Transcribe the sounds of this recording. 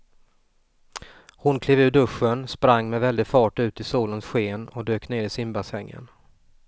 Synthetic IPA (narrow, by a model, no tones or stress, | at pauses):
hʊnkʰleːvʉ̟ːɖ̪ɵʂːənspɾaŋːmɛvɛld̪ɪɡfɑːʈʉ̟ːt̪ɪsuːlənsɧeːnɔd̪øːkneːɾɪsɪmbasɛŋːə̰n